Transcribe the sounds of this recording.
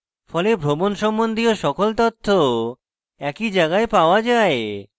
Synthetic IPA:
fɔlebʱɾomonʃɔmːond̪ʱioʃɔkolt̪ot̪ʰːo | ɛkid͡ʑaɡaepaoad͡ʑae

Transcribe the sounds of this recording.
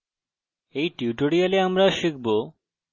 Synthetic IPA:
ejʈiuʈoɾijaleamɾaʃik̚bo

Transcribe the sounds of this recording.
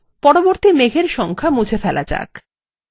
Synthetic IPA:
pɔɾoboɾt̪imeɡʱeɾʃɔŋkʰamud͡ʑʱʰefɛlʔa̰t͡ɕa̰k

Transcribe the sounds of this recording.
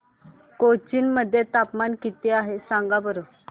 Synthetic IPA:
kot͡ɕinməd̪ʱːjet̪apmankit̪eaɦesãŋɡabəɾo

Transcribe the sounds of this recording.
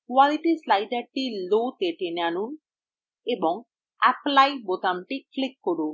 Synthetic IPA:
kʋaliʈislajɖɐʈilot̪eʈenanun | ebɔŋ | ɐplajbot̪amʈiklikːoɽu

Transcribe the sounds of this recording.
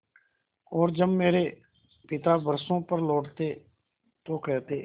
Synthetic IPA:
oːɾd͡ʒəbmeːɾeː | pɪt̪aːbəɾsõːpəɾlɔːʈt̪eː | t̪oːkɛːt̪eː

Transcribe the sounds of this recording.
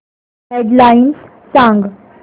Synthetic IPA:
ɦeɖlains | sãŋɡ

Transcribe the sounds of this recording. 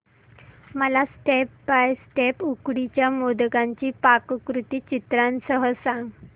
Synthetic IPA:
məlasʈepbajsʈepukɽit͡ɕjamod̪ɡãɲt͡ɕiːpakkɾut̪iːt͡ɕit̪ɾãnsəɦəsãŋɡ

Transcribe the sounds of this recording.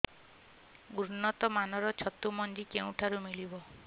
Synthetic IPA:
ɡuɾnɔt̪ɔmanɔɾɔt͡ʃʰɔt̪umɔnd͡ʒikeũʈʰaɾumilibɔ

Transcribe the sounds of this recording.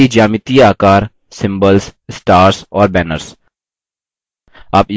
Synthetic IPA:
id͡ʒaːmɪt̪iaːkaːɾ | sɪ̃mbəlssʈaːɾsɔːɾbɛːnə̰ɾs | a̰ːpj

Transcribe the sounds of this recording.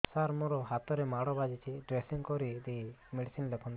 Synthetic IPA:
saɾmɔɾɔɦat̪ɔɾemaɽɔbad͡ʒit͡ʃʰiɖɾesiŋkɔɾid̪imeɽisinlekʰɔnd̪

